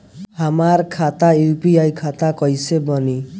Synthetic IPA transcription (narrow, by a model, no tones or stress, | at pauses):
hamaɾkʰat̪ajupiajkʰat̪akɔjsebɔni